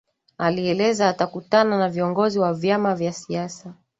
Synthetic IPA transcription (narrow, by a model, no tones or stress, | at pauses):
aliɛlɛzaːtakutananaviɔŋɡɔziwavjamavjasiasa